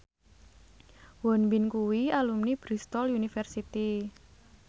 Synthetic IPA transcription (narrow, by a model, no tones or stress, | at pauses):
wɔnbinkuwialumnib̥ɾist̪ɔlunifɛrsit̪i